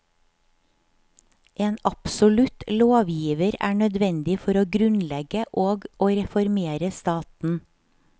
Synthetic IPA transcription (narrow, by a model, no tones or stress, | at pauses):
ʔeːnɑpsʊlʉt̪loːʋjiːʋəɾæ̰ːɳœd̪ʋɛnd̪ɪfɔɾoːɡɾʉnlɛɡəʔoːɡoːɾɛfɔɾmeːɾəst̪ɑːt̪n̩